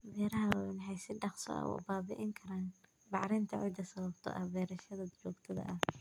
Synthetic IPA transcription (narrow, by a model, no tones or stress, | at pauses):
bɛːɾɐɦɐwnħɛjsɪɖɑχsɔ̰ʔɐ̰wɑ̰ːbaːbɪʔɪŋkʰɐɾaːn | bɑʕɾɪnt̪ʰɐʕɔ̰d̪ɐsɐβɐbt̪ʰɔ̰ʔɐ̰bɛːɾɐʃɐðɐd̪t͡ʃuːɡt̪ʰɐðɐ̰ʔɐh